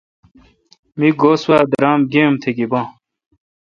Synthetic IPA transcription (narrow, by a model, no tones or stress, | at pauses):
miɡoːswaːd̪ɐɾaːmɡeːmt̪ʰeɡibãː